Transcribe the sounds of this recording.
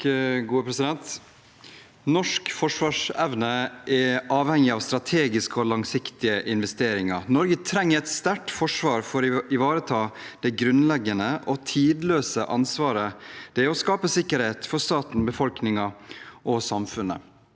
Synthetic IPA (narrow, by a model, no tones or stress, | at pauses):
ɡuːəpʰɾɛsɪd̪ɛnt̪ | nɔʂkfɔʂʋɑːʂɛʋnəʔɛʔɑːʋhɛŋɪɑːʋst̪ɾɑt̪ʰeːɡɪskəɔlɑŋsɪkt̪ɪəʔɪnʋɛst̪eːɾɪŋɑɾnɔɾɡət̪ʰɾɛŋːəɾɛt̪st̪æʈfɔʂʋɑːɾfɔɾɪʋɑːɾət̪ʰɑːd̪̥ɛɡɾʉnlɛɡːənəʔɔt̪ʰiːd̪løːsəʔɑnsʋɑːɾəd̪̥ɛɔskɑːpəsɪkːəɾheːt̪fɔɾst̪ɑːt̪n̩bəfɔlknɪŋɑʔɔsɑmfʉnːə̰